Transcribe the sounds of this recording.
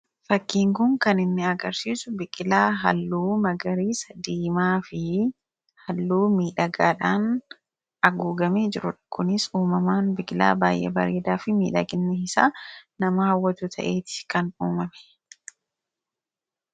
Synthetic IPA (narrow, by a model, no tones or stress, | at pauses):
fɐkːiːŋkʊŋkɐnɪnːɪɐɡɐɾsiːsʊbɪkʼɪlaːɦɐ̰lːuːmɐɡɐɾiːsɐd̪iːmaːfɪ | hɐlːuːmiːᶑɐɡaːᶑaːn | ʔɐɡuːɡɐmeːd͡ʒɪɾʊᶑkʊnɪsuːmɐmaːnbɪkʼɪla̰ːbaːjʔɛ̰bɐ̰ɾeːd̪aːfɪmiːᶑɐɡɪnːɛhɪsaːnɐmɐhɐwːɐt̪uːt̪ʰɐ̰ʔe̞ːt̪ɪ̥kɐnuːmɐmɛ̥